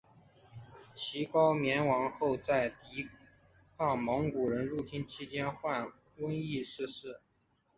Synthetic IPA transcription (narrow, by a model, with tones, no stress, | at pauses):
t͡ɕʰi˧˥kɑ˥ʊmjɛ˧˥nwɑ˧˥ŋxo˥˧ʊt͡sa˥˩ɪt̪i˧˥ | kʰɑ˥˩ŋmɤ˧˥ŋku˨˩ɻə˧˥nɻu˥˩t̪ʰi˥nt͡ɕʰi˥t͡ɕjɛ˥nxwa˥˩n | wə˥ni˥˧ʂɻ̩˥˧ʂɻ̩˥˩